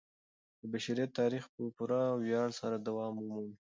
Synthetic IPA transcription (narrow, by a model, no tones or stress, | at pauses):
d̪əbaʃaɾit̪ɑɾixpəpuɾawjɑɽsaɾad̪awɑmumun